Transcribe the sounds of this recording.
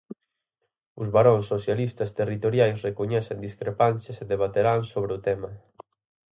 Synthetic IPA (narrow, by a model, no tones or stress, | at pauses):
ʊzβaɾõnsːoθjalist̪ɐst̪erit̪oɾjajsrekoɲɛθend̪iskɾepanseseðeβ̞at̪eɾansoβɾɪʊt̪ɛmɐ